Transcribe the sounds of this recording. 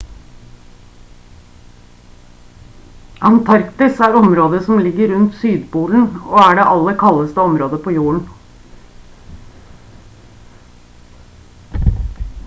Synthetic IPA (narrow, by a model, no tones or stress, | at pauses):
ʔɑnt̪ʰɑɾkt̪ɪsæːɾɔmɾoːd̪əsɔmlɪɡəɾʉnt̪syːd̪buːln̩oːæɖeːʔɑləkʰɑləst̪əɔmɾoːd̪əpʰoːjuːəɳ̩